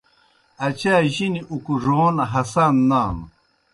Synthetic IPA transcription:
ɐt͡ɕaːʑiniʔukuʐoːnɦɐsaːnːaːn

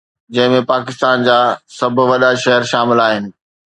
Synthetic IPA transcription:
d͡ʑɐ̃ɦɪ̃mẽpaːkɪst̪aːnd͡ʑaːsɐbʱʊʋɐɗaʃɐɦəɾʃaːmɪlaːɦɪnɪ̆

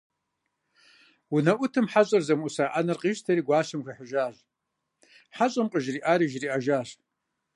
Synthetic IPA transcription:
wunɐʔʷʊtʰɨmħaɕʼɐrzɐmusaːʔanɐrqʼiːʒtʰɐɾiːɡʷaːɕɨmxʷɐħəʒaːʒ | ħaɕʼɐmqʼəʒriːʔaːɾiʒriːʔaʒaːɕ

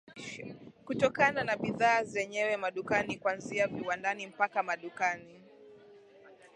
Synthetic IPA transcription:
kutɔkananaɓiðaːzɛɲɛwɛmaɗukanikwanziaviwandanim̩pakamaɗukani

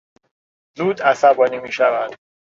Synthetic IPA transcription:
zuːd̪æsæbɒːnimiːʃævæd̪̥

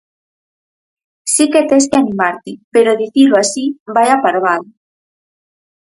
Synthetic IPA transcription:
siket̪eskeanimaɾt̪ipeɾoðiθiloasibajapaɾβað

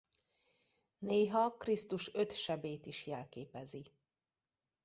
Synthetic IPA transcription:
neːɦɒkrist̪uʃøt̪ʃɛbeːt̪iʃjɛlkeːpɛzi

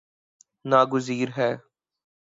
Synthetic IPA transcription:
naːɡʊziːɾɦɛː

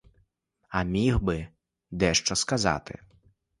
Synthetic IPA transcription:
ɐmʲixbɪ | d̪ɛʃt͡ʃɔskazɑ̰t̪ɪ̰

